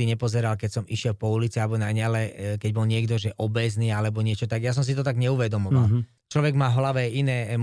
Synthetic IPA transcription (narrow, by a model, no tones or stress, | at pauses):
iɲɛpɔzɛɾalkɛcsɔmiʃɪɛlpɔulit͡sialɛbɔnaɲalɛkɛɟbɔlɲɪɛɡd̪ɔʒɛʔɔbɛzniːalɛbɔɲɪɛt͡ʃɔt̪aɡjas̬ɔms̬it̪ɔt̪aɡɲɛuʋɛd̪ɔmɔʋal | t͡ʃlɔʋɛɡmaːɦlaʋɛinɛːɛm